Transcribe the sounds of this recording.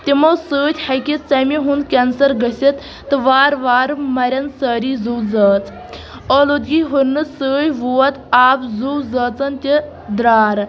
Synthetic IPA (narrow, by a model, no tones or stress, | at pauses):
t̪imɐwsɨːt̪ʲhɐkit͡sɐmiɦund̪kʲɛnsɐɾɡɐsʲit̪ː | ɨʋaːɾʋaːɾmɐɾʲɐnsəːɾizuwzɐəːt͡s | olud̪ɡiɦuɾnːɨsəːjʋuɐt̪aːpzuwzəːt͡sɐnt̪ʲi | d̪ɾaːɾ